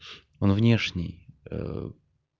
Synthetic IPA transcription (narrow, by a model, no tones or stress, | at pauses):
onvnʲeʂnʲɪjə̰